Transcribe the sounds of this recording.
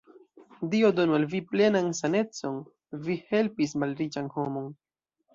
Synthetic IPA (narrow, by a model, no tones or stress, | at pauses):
diodo̞nualviple̞nansane̞t͡so̞n | vihe̞lpismalɾit͡ʃanho̞mo̞n